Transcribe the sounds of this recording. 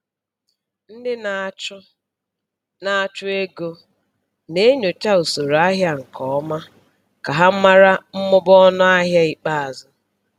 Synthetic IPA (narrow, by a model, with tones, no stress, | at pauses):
n̩˦dɪ˦n˨˦ | na˨a˨t͡ʃʊ˦e˦ɡo˦ | ne˦ɲo˨ta˦u˨so˨ɾa˦ɦja˦ŋ̩˨kɔ˨ɔ˦ma˦ | ka˨ɦa˦m̩˦ma˦ɾa˦m̩˦mʊ˦bɔ˦nʊ˦a˦ɦja˦i˦k͡pa˦a˨zʊ˦